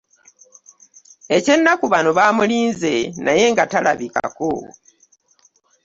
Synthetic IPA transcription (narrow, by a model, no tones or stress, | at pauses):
e̞ce̞nːakuβanoβaːmuliːnze̞naje̞ŋɡatalaβika̰ko̰